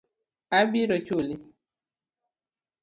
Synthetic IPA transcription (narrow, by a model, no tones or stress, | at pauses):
abiɾɔt͡ʃoli